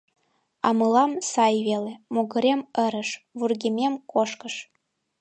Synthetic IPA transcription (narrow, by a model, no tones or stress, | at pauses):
ɑ̰mɤlɑmsɑjβelemoɣə̆ɾemə̆ɾə̆ʃβurɣʲemʲemkoʃkə̆ʃ